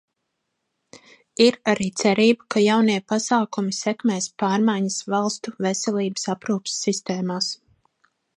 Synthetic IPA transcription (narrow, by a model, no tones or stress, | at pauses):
iɾaɾiːt̪sɛɾiːbakajawniɛpasaːkumisɛkmeːspaːɾmajɲɐsvalˠst̪uvɛsɛliːbə̥sapɾuːpsːist̪eːmaːs